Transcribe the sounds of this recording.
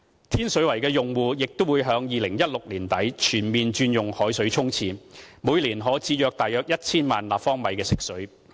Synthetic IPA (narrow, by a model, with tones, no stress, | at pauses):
t̪ʰiː˥nsɵ˨˥wɐ˨˩jkɛː˧jʊ˨ŋwuː˨˩jɪ˨k̚t̪ʊ˥wuː˨˧jɦœː˨˥ŋjiː˨lɪ˨˩ŋjɐ˥t̚lʊ˨k̚liː˨˩nt̪ɐ˨˥jt͡ʃʰyː˨˩nmiː˨nt͡ʃyː˧njʊ˨ŋhɔː˨˥jsɵ˨˥ɥt͡sʰʊ˥ŋt͡sʰiː˧muː˨˧jliː˨˩nɦɔː˨˥t͡siː˨˧jœː˨˧k̚t̪aː˨jœː˧k̚jɐ˥t̚t͡sʰiː˥nma̰ː˨nla̰ː˨˩pfɔː˥ŋmɐ˨˧jkɛː˧sɪ˨˥k̚sɵ˨˥ɥ